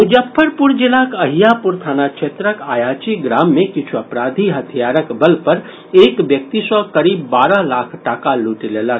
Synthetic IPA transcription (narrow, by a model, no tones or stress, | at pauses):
mʊd͡ʒəpʰːəɾpuɾd͡ʒɪlaːkɐɦijapuɾt̪ʰaːnat͡ʃʰet̪ɾəkaːjaːt͡ʃiɡɾaːmːẽkɪt͡ʃʰuɐpɾaːd̪ʱiɦɐt̪ʰijaːɾəkbəlpɐɾ | eːkʋjək̚t̪isɔkɐɾiːbːaːɾalaːkʰʈaːkaluːʈileːlaɾ